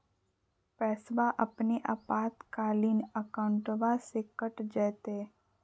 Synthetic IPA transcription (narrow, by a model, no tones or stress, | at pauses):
pɛːsbaʔəpniʔa̰paːt̪kaːliːnəkaʊ̃ɳʈʋasekəʈd͡ʒɛːt̪eː